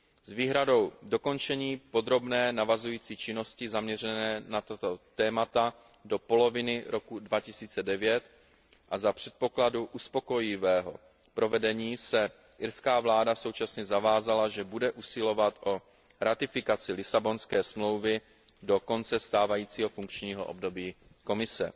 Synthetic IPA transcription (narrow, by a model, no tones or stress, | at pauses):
zviːɦɾado̞wdo̞ko̞nt͡ʃɛɲiːpo̞d̪ɾo̞bnɛːnavazujiːt͡siːt͡ʃɪno̞scɪzamɲɛrɛnɛːnat̪at̪ot̪ɛːmat̪a | do̞po̞lo̞vɪnɪɾʔo̞kudvacɪsiːt͡sɛdɛvjɛt̪ | ʔazapr̝̥ɛt̪̚po̞kladuʔuspo̞ko̞jɪvɛːɦo̞̰ | pɾo̞vɛdɛɲiːsɛ | ʔɪɾskaːvlaːdaso̞wt͡ʃasɲɛzavaːzalaʒɛbudɛʔusɪlo̞vat̪ʔo̞ | ɾat̪ɪfɪkat͡sɪlɪsabo̞nskɛːsmlo̞wvɪ | do̞ko̞nt͡sɛst̪aːvajiːt͡siːɦo̞fuŋkt͡ʃɲiːɦo̞̰ʔo̰b̚do̞biː | ko̞mɪsɛ̰